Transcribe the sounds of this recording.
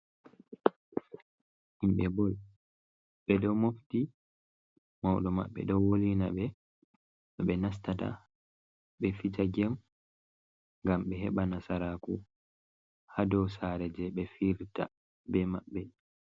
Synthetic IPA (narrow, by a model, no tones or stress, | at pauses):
himɓɛbɔl | ɓɛdɔmofti | mawɗɔma̰ɓːɛ̰ɗɔwolinaɓɛ | ɔɓɛnas̬tata̰ | ɓɛfit͡ʃaɡɛm | ŋɡamɓɛɦɛɓanasaɾaku | hadɔwsaɾɛd͡ʒɛɓɛfiɾta̰ | bɛmaɓːɛ